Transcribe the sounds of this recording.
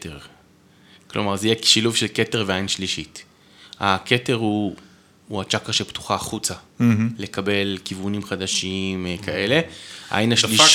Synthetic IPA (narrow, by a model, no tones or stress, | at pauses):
teʁ | klʔo̰maʁzejekʃiluvʃelke̞teʁveajinʃliʃit | ake̞te̞ʁhuː | at͡ʃakaʁʃept̪u̥χaːχut͡sale̞kabe̞lkivunimχadaʃimkaʔe̞le̞ʔa̰jnaʃli